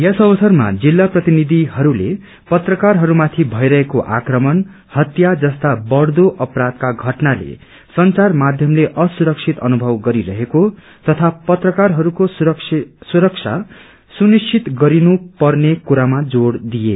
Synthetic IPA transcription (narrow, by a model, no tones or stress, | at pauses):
jesʌbʌsʌrma̰d͡zilːaprʌt̪inid̪ʱiɦʌɾule | pʌt̪rʌkarɦʌɾumat̪ʰibʱʌjɾʌɦekoʔa̰krʌmʌn | hʌt̪jad͡zʌst̪abʌɽd̪oʔʌprad̪̚kaɡʱʌʈnalḛ | sʌnt͡sarmad̪ʱjʌmleʔʌsuɾʌksʰit̪ʌnubʱʌwɡʌɾiɾʌɦeko | t̪ʌt̪ʰapʌt̪rʌkarɦʌɾukossuɾʌksʰa̰ | sunist͡ʃʰit̪ɡʌɾinupʌrnekuɾamad͡zoɽd̪ije